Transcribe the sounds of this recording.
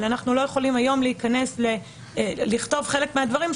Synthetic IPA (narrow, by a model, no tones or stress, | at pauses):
lanaχnulo̞je̞χo̞limajo̞mleikane̞sle | liχt̪o̞vχe̞le̞kmead̪vaʁim